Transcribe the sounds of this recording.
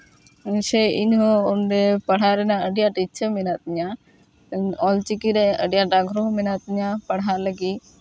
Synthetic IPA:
ɲsɛiɲɦɔɔnɖɛpəɽ̤aɾɛnaəɖjaʈit͡ʃʰəmɛnat̪̚ɲa | ɔlt͡ʃikiɾɛəɖjaʈaɡɾɔɦmɛnat̪̚ɲapəɽɦaləɡi

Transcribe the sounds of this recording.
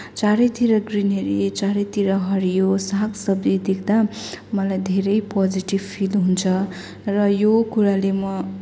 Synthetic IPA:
t͡saɾʌt̪iɾʌɡrineɾit͡saɾʌjt̪iɾʌɦʌɾijosaksʌbd̪id̪ekʰd̪a | mʌlajd̪ʱeɾʌjpod͡ziʈibpʰilɦunt͡sʰʌ | rʌjokuɾalemʌ

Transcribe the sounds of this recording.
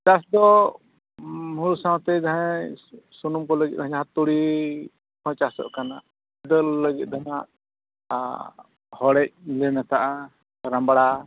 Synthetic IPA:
d̪asd̪ɔ | muɾusãw̃t̪ɛd̪aɦɛ̃ | sunumkɔləɡit̪̚d̪aɦɛɦat̪ːuɽi | hɔ̃t͡ʃasɔ̰ʔkana | d̪əlːəɡit̪̚ˀd̪anaʔ | hɔɽɛc̚lɛnat̪aʔa | ɾambaɽa

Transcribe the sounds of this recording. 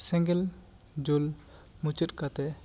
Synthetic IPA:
sɛ̃ŋɡɛl | d͡ʒul | mut͡ʃət̪̚ˀkat̪ɛ

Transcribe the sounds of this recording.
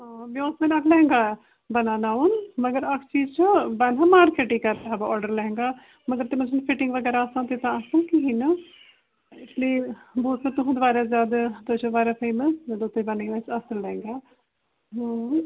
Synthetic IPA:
ɦãːbiɔːsmɛːnəkʰlɛ̃ːŋɡaː | bənaːnaːunməɡəɾəkʰt͡ʃiːzt͡ʃəbənɦãːmaːɾkeːʈiːkəɾt̪eɦaːbaɔːɖəɾlɛɦɛ̃ŋɡaː | məɡəɾt̪emə̃t͡ʃʰənpʰɪʈɪ̃ŋɡʋəɡɛːɾaːsãːt̪et̪ãːəsəlkiɦiːnə | ɪsliːboːsnãːt̪ʊɦũːd̪ʋaːɾaːzjaːd̪at̪ot͡ʃʰbaːɾaːpʰeːməsd̪ot̪ːebəniːʋãt͡ʃəsəlːɛ̃ːŋɡaː | ɦã

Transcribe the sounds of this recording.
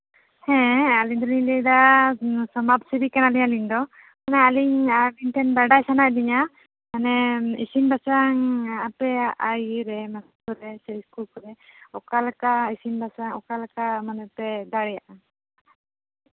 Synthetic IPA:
hɛ̃aliɲd̪ɔnilɛd̪a | sɔmap̚sibikanaliɲaliɲd̪ɔ | manaaliɲabiɲʈ̪ʰɛnbaɖajsanaʔd̪iɲa | manɛḭsinbasaŋapɛaʔajɾɛmaskuɾɛsɛiskulkɔɾɛɔkalakaisinbasaŋɔkalakamanɛpɛd̪aɽɛjaʔa

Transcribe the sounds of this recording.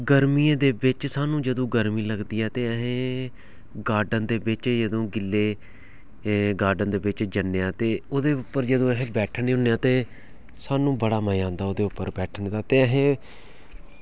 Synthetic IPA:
ɡəɾmiːãːd̪eːbɪt͡ʃsaːnũːd͡ʒəd̪õːɡəɾmiːləɡd̪iːɛːt̪eːəɦẽː | ɡaːɖənd̪eːʋɪt͡ʃjəd̪õːɡɪlːeː | ɡaːɖənd̪eːʋɪt͡ʃd͡ʒənːeːãːt̪eːoːd̪eːʊpːəɾd͡ʒəd̪õːəɦẽːbɛːʈʰneːɦʊːneːãːt̪eː | saːnũːbəɽaːməjãːnd̪aːoːd̪eːʊpːəɾbɛːʈʰnːd̪aːt̪eːəɦẽː

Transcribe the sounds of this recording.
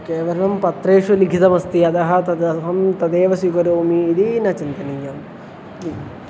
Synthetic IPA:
keːʋɐɾɐɳɐmpɐt̪ɾeːʂuliɡʱit̪ɐmɐst̪iɐd̪ɐɦɐ̆t̪ɐd̪ɐɦɐmt̪ɐd̪eːʋɐsikɐɾoːmiːd̪inɐt͡ʃint̪ɐnijɐm

